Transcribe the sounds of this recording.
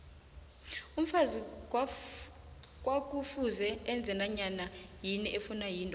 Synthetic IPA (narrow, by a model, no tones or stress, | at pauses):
um̩fazi | k̬ʼwak̬ʼufuzɛːnd͡zʱɛnaɲanajiniʔefunajiːntʼɔ